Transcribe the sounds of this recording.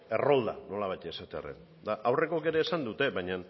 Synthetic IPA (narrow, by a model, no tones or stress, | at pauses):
e̞ro̞ld̪a̰no̞laβajt̪e̞sat̪e̞a̰rḛn | d̪aʔawre̞ko̞ke̞ɾe̞ːsand̪ut̪e̞βaɲan